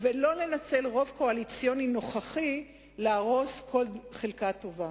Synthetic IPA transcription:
velo̞le̞nat͡se̞lʁo̞vko̞alit͡sjo̞nino̞χaχi | leaʁo̞skʰo̞ldχelkato̞va

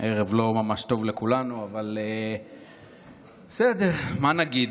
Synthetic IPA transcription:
ʔeʁevlo̞mamaʃt̪o̞vlekulanuavale | besed̪eʁmanaɡid̪

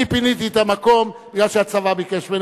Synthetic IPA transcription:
ipinit̪iet̪amako̞mbiɡlalʃeat͡savabikeʃmen

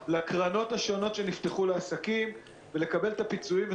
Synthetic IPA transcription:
lakʁano̞taʃo̞no̞tʃe̞nift̪e̞χuleasakim | vele̞kabe̞let̪apit͡suimve

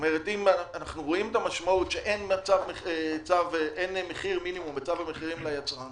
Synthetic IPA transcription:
omeʁetimanaχnuʁo̞imetamaʃmautʃeʔenmat͡savmeχet͡savʔenmeχiʁminimumbet͡savameχiʁimlajat͡sʁa

